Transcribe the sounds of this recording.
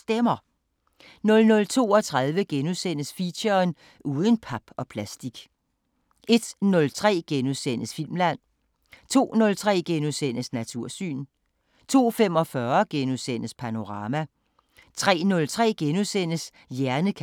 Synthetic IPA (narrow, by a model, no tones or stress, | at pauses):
d̥emɐ | nɔ̽lnɔ̽lt͡sʰo̝̰ːɒ̽t͡sʰʁað̞ˠʋəɡ̥enusen̰əsfiɕɐn | ʔuːð̞ˠən̩pʰɑ̈b̥ɒ̽pʰlæsd̥iɡ̥ | ʔe̝d̥nɔ̽lt͡sʰʁɛ̰ːɡ̥enusen̰əsfil̰mlæn̰ | t͡sʰo̝̰ːnɔ̽lt͡sʰʁɛ̰ːɡ̥enuðˠsen̰əsnæt͡sʰuɐ̰sy̰ːn | t͡sʰo̝̰ːfem̰ɒ̽fɶɐɡ̥enuðˠsen̰əspʰæno̝ʁɑ̈ːmæ | t͡sʰʁɛ̰ːnɔ̽lt͡sʰʁɛ̰ːɡ̥enusen̰əs | jæɐnəkʰ